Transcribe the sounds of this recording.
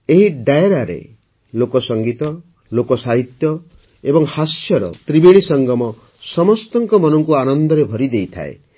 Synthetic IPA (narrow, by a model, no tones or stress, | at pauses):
eɦiɖajeɾaɾḛ | lokɔsɔŋɡit̪ɔ | lokɔsaɦit̪jɔ | ebɔŋhasjɔɾɔ̰t̪ɾibiɽ̃isɔŋɡɔmɔ | sɔmɔst̪ɔŋkɔmɔnɔŋkuanɔnd̪ɔɾebʱɔɾid̪ejt̪ʰa̰ḛ